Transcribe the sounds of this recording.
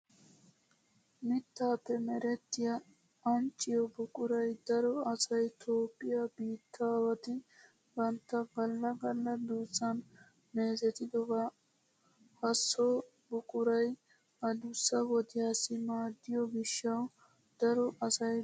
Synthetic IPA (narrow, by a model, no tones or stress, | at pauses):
mɪt̪ːaːpːɛmɛɾɛt̪ːɪjɐ | ɐmt͡ʃːɪjɔbʊkʼʊɾɐjd̪ɐɾɔɐsɐjt̪ʰoːpʼːɪjɐbiːt̪ʰːaːwɐt̪ɪ | bɐnt̪ːɐɡɐlːɐɡɐlːɐd̪uːsːɐn | meːzɛt̪ɪd̪ɔɡɐ | hɐsːɔ | bʊkʼʊɾɐj | ɐd̪ʊsːɐwɔd̪ɪjaːsɪmaːd̪ːɪjɔɡɪʃːɐw | d̪̥ɐɾɔʔɐsɐj